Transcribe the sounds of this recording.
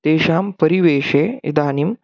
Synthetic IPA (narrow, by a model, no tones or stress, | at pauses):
t̪eːʃaːmpɐɾiʋeːʃeːḭd̪aːnim